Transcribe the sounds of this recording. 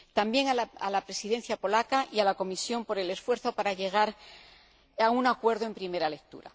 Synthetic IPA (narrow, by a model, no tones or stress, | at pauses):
t̪ambje̞ŋala̰lapɾesiðe̞n̟θjapo̞lakaʔialako̞misjo̞mpo̞ɾe̞le̞sfwe̞ɾθo̞paɾaʎe̞ɣ̞aɾ | aunakwe̞ɾðoe̞mpɾime̞ɾale̞k̚t̪ṵɾa̰